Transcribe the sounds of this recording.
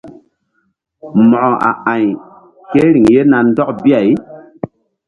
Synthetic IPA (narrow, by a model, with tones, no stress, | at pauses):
mɔ˨ʔɔ˨a̰˨ʔa˨ɲ | ke˦ɾi˨ŋje˦na˨nn˦dɔ˦kbi˦a˨j